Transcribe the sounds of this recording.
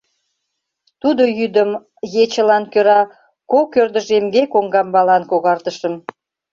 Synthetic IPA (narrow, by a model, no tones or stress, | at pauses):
t̪ud̪ojyd̪əm | jet͡ɕəlɑnkøɾɑ | kokørd̪əʒemɡekoŋɡɑmbɑlɑnkoɣɑrt̪əʃə̆m